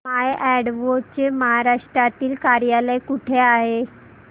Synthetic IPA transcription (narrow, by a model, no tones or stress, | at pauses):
majʔɛɽʋot͡ɕeməɦaɾaʂʈɾat̪iːlkaɾjaləjkuʈʰeaɦe